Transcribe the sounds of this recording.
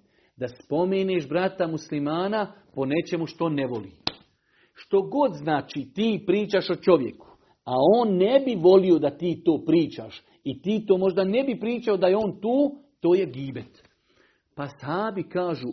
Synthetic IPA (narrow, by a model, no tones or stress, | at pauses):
d̪aspo̞meːneːʃbɾat̪amuslimaːnapo̞ne̞t͡ʃe̞muʃt̪oonːe̞ʋo̞lḭː | ʃt̪o̞ɡo̞d̪znaːt͡ʃiːt̪iːpɾiːt͡ʃaʃot͡ʃo̞ʋje̞̰ku̥ | aoːnːe̞biʋo̞lio̞d̪at̪iːt̪o̞ːpɾiːt͡ʃa̰ʃ | it̪iːt̪oːmo̞ʒd̪ane̞bipɾiːt͡ʃaod̪ajeo̞ːnt̪uːt̪o̞ːje̞ɡiːbet̪ | pashaːbikaːʒu